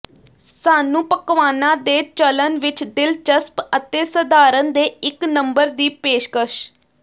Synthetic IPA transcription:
saːnũːpəkʋaːnãːd̪eːt͡ʃələnʋɪt͡ʃd̪ɪlt͡ʃəspət̪eːsəd̪aːɾənd̪eːɪknəmbəɾd̪iːpeːʃkəʃ

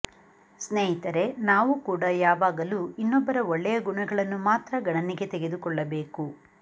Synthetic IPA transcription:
sneːjit̪ɐɾe̞naːʋukuːɽɐjaːʋaːɡɐluinːɔbːɐɾɐɔɭːɛjɐɡuɳɐɡɐɭɐnːumaːt̪ɾɐɡɐɳɐniɡe̞t̪eɡe̞d̪ukɔɭːɐbe̞ːku

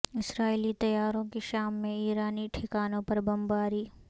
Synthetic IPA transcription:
ɪsɾaːilit̪ɐjaːɾõkeʃaːmːẽiːɾaːniʈʰɪkaːnõpɐɾbɐ̃mbaːɾiː

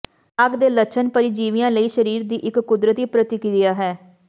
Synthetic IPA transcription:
əɡd̪eːlət͡ʃʰənpəɾid͡ʒiːʋɪjãːləiːʃəɾiːɾd̪iːʔɪkːʊd̪ɾət̪iːpɾət̪ɪkɾɪjaːɦɛː

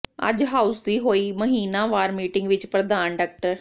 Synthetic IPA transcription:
ə̰d͡ʒɦaːʊsd̪iːɦoːiːməɦiːnãːʋaːɾmiːʈɪ̃ŋɡʋɪt͡ʃpɾəd̪aːnɖaːk̚ʈəɾ

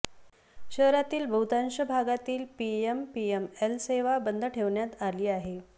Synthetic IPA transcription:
ɕəɦɾat̪iːlbʱəwt̪anɕəbʱaɡat̪iːlpiempiemelseʋabənd̪ʱəʈʰeʋɳjat̪aliːaɦe

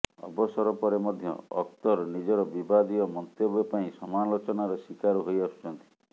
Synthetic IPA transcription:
ɔ̰bɔsɔɾɔpɔɾemɔd̪ʱjɔ̰ɔk̚t̪ɔɾnid͡ʒɔɾɔbibad̪iɔmɔnt̪jɔbepaĩsɔmalot͡ʃɔnaɾɔsikaɾɔɦojɔst͡ʃɔnt̪i̥

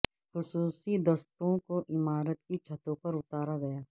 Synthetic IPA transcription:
xʊsuːsid̪ɐst̪õkoʔɪmaːɾət̪kit͡ʃʰɐt̪õpɐɾʊt̪aːɾaɡɐjaː

